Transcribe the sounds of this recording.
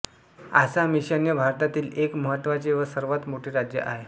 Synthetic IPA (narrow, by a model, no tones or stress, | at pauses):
a̰samiɕənjəbʱaɾt̪at̪iːlekməɦət̪ːʋat͡seʋəsəɾʋat̪moʈʰeːɾad͡ʑjə̰ʔa̰ɦe